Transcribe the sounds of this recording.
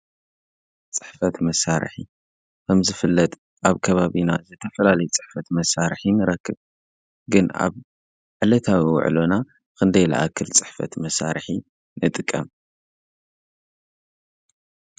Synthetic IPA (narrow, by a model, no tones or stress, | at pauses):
t͡sʼɨ̥ħfɐt̪mɐsaɾħi | kʰɐmzɨfɨlːɐt̪ʼ | ʔaβkʰɐβaβinazɨt̪ʰɐfɐlalɐjut͡sʼɨ̥ħfɐt̪mɐsaɾħinɨɾɐkːɨβ | ɡɨna̰β | ʕɨlɐt̪ʰawiwʊ̰ʕ̰lona | kɨnd̪ɐjla̰ʔakːɨlt͡sʼɨ̥ħfɐ̰t̪mɐsa̰ɾħi | nɨt̪ʼɨkʼːɐm